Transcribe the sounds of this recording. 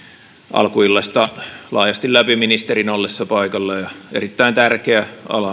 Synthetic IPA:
ʔɑ̰lkuilːɑst̪ɑlɑːjɑst̪ilæpiminist̪erinolːesːɑpɑikɑlːɑjɑḛrit̪ːæint̪ærkeæʔɑ̰lɑ

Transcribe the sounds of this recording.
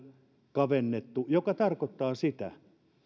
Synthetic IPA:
kɑʋenːet̪ːujokɑt̪ɑrkot̪ːɑːsit̪æ̰

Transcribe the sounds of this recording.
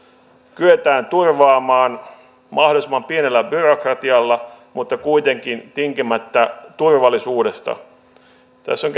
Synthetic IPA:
kyet̪æːnt̪urʋɑːmɑːn | mɑhdolisemːɑmpienelːæbyrokrɑt̪iɑlːɑ | mut̪ːɑkuit̪eŋkint̪iŋkimæt̪ːæt̪urʋɑlːisuːdest̪ɑ̰ | t̪æ̰sːoŋk

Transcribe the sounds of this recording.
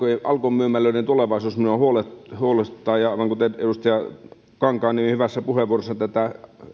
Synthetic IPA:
oʔɑ̰lkomyømælːøˑinent̪uleʋɑˑisuːsminohuolehuolest̪ːˑɑːjjɑɑˑiʋɑŋkut̪eedust̪ɑjɑ | kɑŋkɑːnihyʋæsːæpuheʋˑuorosːɑt̪æt̪æ

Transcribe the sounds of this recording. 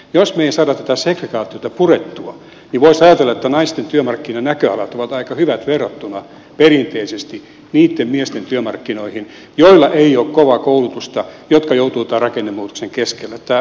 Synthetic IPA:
josmeiæsɑːdɑt̪æt̪æsekrekɑːt̪iot̪ɑpuret̪ːuɑ | niʋoisɑjɑt̪elːɑet̪ːænɑist̪ent̪yømɑrkːinɑnækøɑlɑt̪oʋɑt̪ɑikɑhyʋæt̪ʋerːot̪ːunɑ | perint̪eisest̪i | niːt̪ːemmiest̪ent̪yømɑrkːinoihin | joilːɑʔeioːkkoʋɑkoulut̪ust̪ɑjot̪kɑjout̪uːt̪ɑrɑkenːemːuːt̪u̥kseŋkeskelːæt̪ːæ

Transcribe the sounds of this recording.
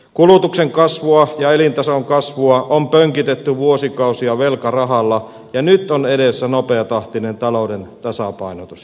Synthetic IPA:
kulut̪ukseŋkɑsʋuɑjɑelint̪ɑsoŋkɑsʋuɑʔompøŋkit̪et̪ːyʋuosikɑˑusiɑʋelkɑrɑɦɑlːɑ | jɑnyt̪onedesːænopeɑt̪ɑht̪inent̪ɑloˑudent̪ɑsɑpɑˑinot̪us

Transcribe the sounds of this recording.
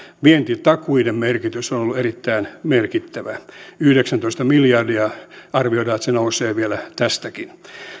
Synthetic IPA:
ʋient̪itt̪ɑkuidemmerkit̪ysonolːuerit̪ːæinmerkit̪ːæʋæyhdeksænt̪oist̪ɑmiljɑrdiɑɑrʋioiɾɑːet̪senouseːʋielæt̪æst̪ækin

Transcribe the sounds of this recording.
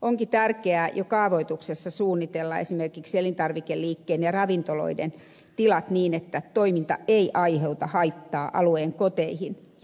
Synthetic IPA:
ʔoŋkit̪ærkeæjʔokɑːʋoit̪uksesːɑsuːnːit̪elːɑḛsimerkikselint̪ɑrʋikeliːkːeːnjɑrɑʋint̪olo̰idḛn | t̪ilɑt̪niːnet̪ːæt̪oimint̪ɑ̰eiʔɑiheut̪ɑhɑit̪ːɑːʔɑ̰lueːŋkot̪eihin

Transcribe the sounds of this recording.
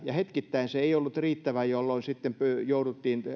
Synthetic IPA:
jɑhet̪kit̪ːæinseeiolːut̪riːt̪ːæʋæjolːoinsit̪ːempøjoudut̪ːiːn

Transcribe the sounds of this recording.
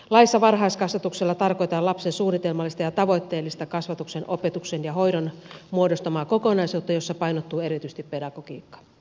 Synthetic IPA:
lɑisːɑʋɑrɦɑiskɑsʋɑt̪ukselːɑt̪ɑrko̞jt̪ɑːlɑpsensuːnit̪elmɑlːˑist̪ɑjɑt̪ɑʋo̞jt̪ːe̞ːlːist̪ɑkɑsʋɑt̪uksenʔopet̪uksenjɑɦo̞ijdonmuodost̪ɑmɑːkokonɑisuːt̪ːɑjosːɑpɑinot̪ːuːe̞ɾit̪yst̪ippe̞dɑɡ̥okḭːkːɑ̥

